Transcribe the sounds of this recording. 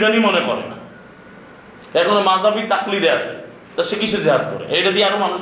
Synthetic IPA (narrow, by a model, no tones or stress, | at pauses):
d̪animonekɔ̰ɾḛna̰ | ɛkɔnemazʱabit̪aklid̪easʰḛ | t̪aʃekit͡ɕʰud͡ʑeɦad̪̚ko̰ɾḛʔejʈad̪iaɾomanu